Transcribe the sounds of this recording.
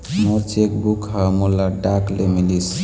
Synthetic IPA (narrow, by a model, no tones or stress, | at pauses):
mot͡ʃekbukɦəmulaɖaklemilis